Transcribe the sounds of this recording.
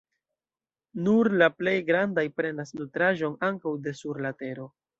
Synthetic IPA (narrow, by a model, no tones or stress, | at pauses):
nuɾlaple̞jɡɾandajpɾe̞nasnutɾaʒo̞naŋkawde̞suɾlate̞ɾo̞